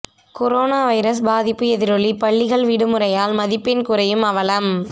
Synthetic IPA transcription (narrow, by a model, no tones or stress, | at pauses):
kɔɾoːnaːʋɐɪɾɐsbaːðɪpːɯɛðɪɾɔɭːipɐɭːɪɣɐɭʋiɽɯmɯɾɐjaːlmɐðɪpːɪnkʊɾɐjɯmɐʋɐlɐm